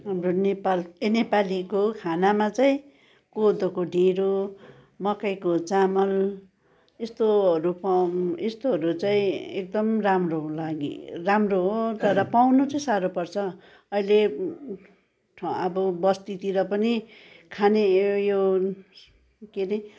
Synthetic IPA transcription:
ɦamronepalenepalikokʰanamat͡saĩ | kod̪okoɖʱeɾo | mʌkajkot͡samʌl | est̪oʌɾupest̪oɦʌɾut͡saĩek̚d̪ʌmramrolaɡḭramroɦt̪ʌɾʌpawnut͡sʌĩsaɾopʌrt͡sʰʌ | ʌile | ʈʰʌbʌbʌst̪it̪iɾʌpʌni | kʰanejo | kene

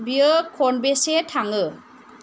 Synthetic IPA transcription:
biɯkʰɔnbesetʰaŋɯ

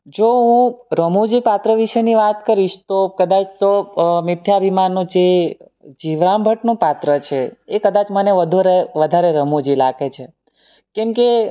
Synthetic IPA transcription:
d͡ʒoũɾəmod͡ʒipat̪ɾəʋiʃəniʋat̪kəɾiʃt̪okəd̪at͡ʃt̪omɪt̪ʰjabʱimanːũd͡ʒe | d͡ʒiʋɾambʱəʈnũpat̪ɾət͡ʃʰeːkəd̪at͡ʃməneʋəd̪ʱuɾeʋəd̪ʱaɾeɾəmod͡ʒilaɡet͡ʃʰe | kɛmke

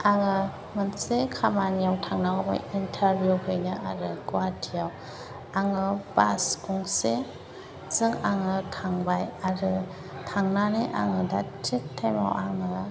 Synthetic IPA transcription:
aŋɯ | mɯnsekʰamanijawtʰaŋnaɔba̰jintʰaɾbjuhʰɯjnɯʔaɾɯkuatʰijaw | aŋɯbaskuŋse | zɯŋaŋɯtʰaŋbajaɾɯ | tʰaŋnaniʔa̰ŋɯdatʰitʰːema̰wʔaŋɯ

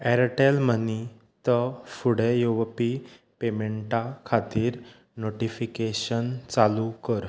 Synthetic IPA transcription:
ɛɾʈelməni | t̪əfuɽejoʋpi | pemeɳʈakʰat̪iːɾ | noʈifikeɕənt͡salukəɾ

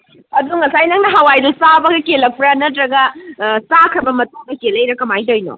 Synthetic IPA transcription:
ɐduŋɐsajnɐŋnɐɦawajdusabɐɡɐkelːɐk̚pɾɐnɐtɾɐɡɐsakʰɾɐbɐmɐtoŋdɐkelːɐjɾɐkɐmajdojno̰

